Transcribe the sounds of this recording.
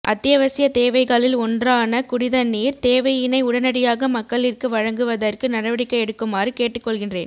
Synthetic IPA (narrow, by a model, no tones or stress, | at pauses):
ʔɐ̰t̪ːɪjɐʋɐsɪjɐt̪eːʋɐɪɣaːlɪlɔndraːnɐkʊɽɪðɐnːiːɾt̪eːʋɐjɪnɐɪʊɽɐnɐɽɪjaːɣɐmɐkkːɐɭɪrkɯʋɐɻɐŋɡɯʋɐðɐrkɯnɐɽɐʋɐɽɪkːɐɪɛɽɯkːɯmaːrɯkeːʈːɯkːɔɭɣɪndrḛːn